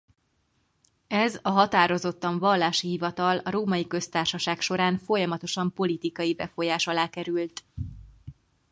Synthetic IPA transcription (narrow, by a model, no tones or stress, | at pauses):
ɛzɒɦɒt̪aːɾo̞zo̞t̪ːɒɱvɒlːaːʃiɦivɒt̪ɒlɒɾoːmɒjikø̞st̪aːrʃɒʃaːkʃo̞ɾaːnfo̞jɒmɒt̪o̞ʃɒmpo̞lit̪ikɒjibɛfo̞jaːʃɒlaːkɛɾylt̪